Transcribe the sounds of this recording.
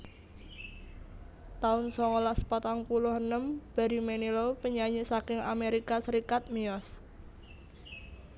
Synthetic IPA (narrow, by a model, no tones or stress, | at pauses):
t̪aʊnsɔŋolaʔspat̪aŋpulʊhənəmb̥a̤ɾimenilopəɲaɲisakɪŋa̰meɾikasəɾikat̪̚miɔs